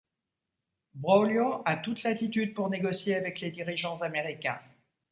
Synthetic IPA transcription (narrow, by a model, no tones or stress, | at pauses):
bʁɔljoat̪ut̪lat̪it̪yd̪̚puʁneɡɔsjeavɛkled̪iʁiʒɑ̃zameʁikʲɛ̰̃